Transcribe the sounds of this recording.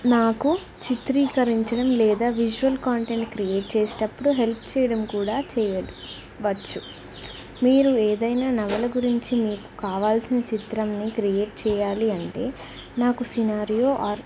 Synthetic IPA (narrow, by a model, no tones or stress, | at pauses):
naːku | t͡ʃit̪ɾiːkɐɾiɲt͡ʃɐɽɐmlɛːd̪aːʋid͡ʒuʋɐlkaːɳʈe̞ɳʈkɾijeːʈ̚t͡ʃeːsi̥ʈɐpːuɽuɦe̞lpʰt͡ʃɛːjɐɽɐmkuːɽaːt͡ʃɛːjɐli | ʋɐt͡ʃːu | miːɾueːd̪ɐjnaːnɐɡɐlɐɡuɾiɲt͡ʃimiːku̥kaːʋaːlsinɐt͡ʃit̪ɾɐmnikɾijeːʈ̚t͡ʃɛːjaːliɐɳʈe̞ː | naːkusinaːɾijo̞ːʔaːɾ